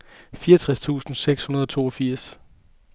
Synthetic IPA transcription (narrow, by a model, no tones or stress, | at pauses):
fiːɐt͡sʰʁast͡sʰṵːsn̩seɡ̥shunɐð̞ˠɒ̽t͡sʰo̝̰ːɒfiɐ̰s